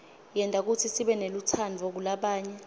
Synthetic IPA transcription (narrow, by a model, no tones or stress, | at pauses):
jɛntʼak̬utʰisiɓɛnelut͡sʰanvok̬ulaɓaːɲɛ